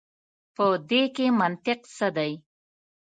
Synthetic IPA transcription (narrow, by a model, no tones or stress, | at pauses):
pəd̪ekemant̪ɪqsəd̪aj